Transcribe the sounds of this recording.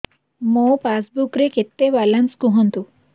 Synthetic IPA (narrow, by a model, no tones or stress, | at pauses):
mopasbukɾeket̪ːeʋalanskuɦɔnt̪u